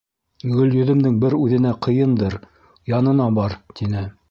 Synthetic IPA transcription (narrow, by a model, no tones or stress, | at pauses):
ɡɵ̆ljɵ̆ðɘ̆md̪ɘŋbɘɾʉðɘ̆næqʰɤ̆jɤnd̪ɤɾ | jɑnɤ̆nɑbɑɾt̪inɘ